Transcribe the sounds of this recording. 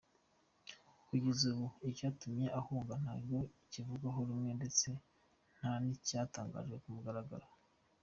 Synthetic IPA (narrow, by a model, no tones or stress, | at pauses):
kuɟezuβuicaːtumje̞ʔahuːŋɡan̥haːɾjo̞icivuɡaɦoɾumŋe̞nde̞t͡se̞ | n̥hanicaːtaːŋɡa̰ːʒɡe̞kumuɡaɾaɡaɾa